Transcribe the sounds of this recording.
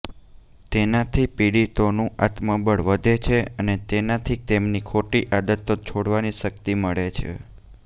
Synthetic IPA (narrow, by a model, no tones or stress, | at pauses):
t̪enat̪ʰipiɽit̪onũa̰t̪məbəɽʋəd̪ʱet͡ʃʰeənet̪enat̪ʰit̪emnikʰoʈiʔad̪ət̪ːot͡ʃʰoɽʋaniʃəkt̪iməɭet͡ʃʰḛ